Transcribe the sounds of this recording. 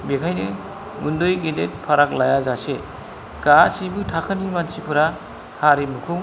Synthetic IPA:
bekʰajnɯ | ɡundojɡedet̚pʰaɾak̚lajazase | kasibɯtʰakʰɯnimansipʰɯɾa | haɾimukʰuŋ

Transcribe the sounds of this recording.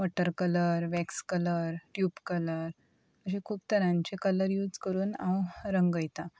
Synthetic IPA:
ʋɔʈəɾkələɾʋɛkskələɾʈjuːpkələɾ | əɕẽkʰuːp̚t̪əɾãɲt͡ɕekələɾjuːd͡zkəɾuːnã̰wɾəŋɡəjt̪a

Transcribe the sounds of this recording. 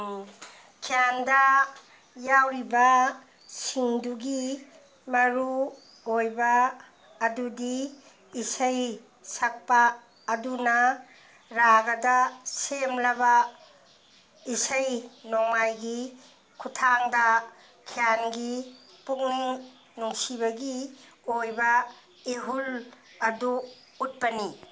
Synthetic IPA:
kʰijandɐ | jawɾibɐ | siŋduɡi | mɐɾu | ojbɐː | dudiː | sɐj | sɐk̚paː | dunɐ | ɾaɡɐdɐsemlɐbɐ | isɐjnoŋmajɡi | kʰutʰaŋdɐ | kʰijanɡipukniŋ | nuŋsibɐɡi | ojbɐ | eɦul | ɐduː | t̚pɐni

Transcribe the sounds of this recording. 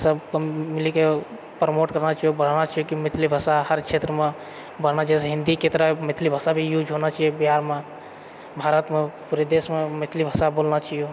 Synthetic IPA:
səbkəmːilike | pɾmoʈkəɾnat͡ʃʰajubəɽ̤nat͡ʃajukimit̪ʰilibʱəsahəɾt͡ʃʰet̪ɾəme | bəɽ̤nat͡ʃaɛsɦĩnd̪iket̪ɾəmit̪ʰlibʱəsabʱijud͡ʒɦonat͡ʃɛbiɦaɾme | bʱaɾət̪mepuɾed̪esmemit̪ʰlibʱəsabolnat͡ʃʰijo

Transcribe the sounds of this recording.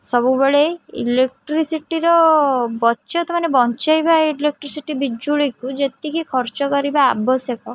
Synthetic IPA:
sɔbubeɭeḭlek̚ʈɾisiʈiɾɔbɔtːt͡ʃɔt̪ʰɔmanebɔnt͡ʃajbalek̚ʈɾisiʈibid͡ʒuɭikud͡ʒet̪ikikʰɔɾt͡ʃɔkɔɾiba̰ːbɔsekɔ

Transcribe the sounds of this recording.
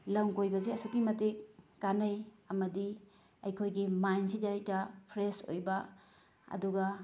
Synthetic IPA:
lɐmkojbɐzeɐsukimɐtikːanɐj | ɐmɐdi | ɐjkʰojɡimajnsid͡ʒajtɐpʰɾeso̰jba | ɐ̰duɡɐ

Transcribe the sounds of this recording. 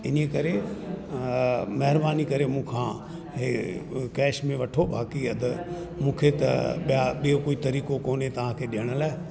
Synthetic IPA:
ɪnkɐɾe | mɐɦɪɾbaːnikɐɾemũːkʰã | ɦekɛːʃmẽʋɐʈʰobaːkiɐd̪ʱ | mũːkʰet̪ɐ̰ɓijaɓijokoːit̪ɐɾiːkokoːnet̪ɐʋ̤ãkʰeːɗɪɦəɽ̃əlaːe

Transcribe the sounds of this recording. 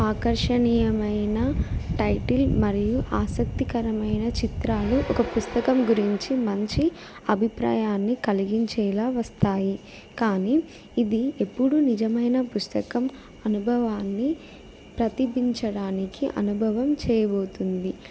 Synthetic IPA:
aːkɐɾʂɐnijɐmɐjnɐʈɐjʈilmɐɾijuʔaːsɐk̚t̪ikɐɾɐmɐjnɐt͡ʃit̪ɾaːluʔɔkɐpust̪ɐkɐmɡuɾiɲt͡ʃimɐɲt͡ʃi | ɐbʱipɾa̰ːjaːnːikɐliɡiɲt͡ʃɛːlaːʋɐst̪aːji | kaːniː | d̪ie̞pːuɽunid͡ʒɐmɐjnɐpust̪ɐkɐm | ɐnubʱɐʋaːnːi | pɾɐt̪ibʱiɲt͡ʃɐɽaːnikiʔɐ̰nubʱɐʋɐmt͡ʃɛːjɐbo̞ːt̪und̪i

